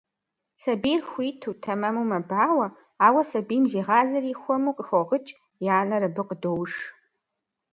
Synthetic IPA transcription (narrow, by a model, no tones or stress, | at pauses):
sɐbijrxʷiːtʰutʰɐmɐmumɐbaːwʷɐ | aːwɐsɐbijmziːʁaːzɐriːxʷɔmuːqʼəxʷoʁət͡ʃʼ | jaːnɐrɨbɨqʼdowʂ